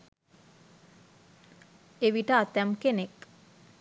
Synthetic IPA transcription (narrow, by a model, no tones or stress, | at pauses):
eʋiʈəat̪ɛmkenek